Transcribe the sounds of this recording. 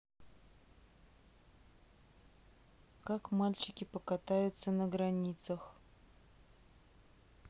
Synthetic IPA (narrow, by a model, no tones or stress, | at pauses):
kakmalʲt͡ɕɪkʲɪpəkat̪ajʊt̪sənəɡɾɐnʲit̪səx